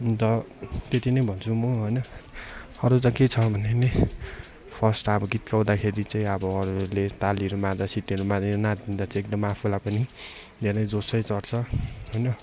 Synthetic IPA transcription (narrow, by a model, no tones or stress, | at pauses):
t̪ʌ | t̪et̪inʌjbʱʌnt͡sʰumʌɦojnʌ | ʌɾut͡saket͡sʰʌbʱʌnene | pʰʌsʈʌbʌɡit̪kaw̃d̪akʰeɾit͡saĩʌbʌːɾulet̪aliɾumad͡zasiʈeɾumad͡zinat̪ːind̪at͡sãek̚d̪ʌmapʰulapʌni | d̪ʱeɾʌjd͡zosʌjt͡sʌrt͡sʰʌɦojnʌ